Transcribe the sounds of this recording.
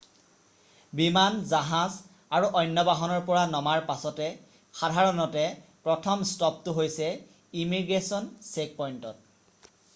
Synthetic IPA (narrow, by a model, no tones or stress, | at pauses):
bimanzaɦaz | aɹuʔɔjnːɔbaɦɔnɔɹpɔɹanɔmaɹpasɔtɛ | xadʱaɹɔnɔtɛpɹɔtʰɔmstɔp̚tʊɦojsɛ | imiɡɹesɔnsek̚pɔjntɔt̚